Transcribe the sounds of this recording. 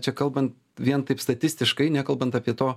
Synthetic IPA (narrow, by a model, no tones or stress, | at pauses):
t͡ʃʲɛkɐlˠbɐnt̪ | ʋʲiɛnt̪ɐɪpst̪ɐt̪ʲɪsʲt̪ʲɪʃkɐɪnʲɛkɐlˠbɐnt̪ɑpʲiɛt̪oː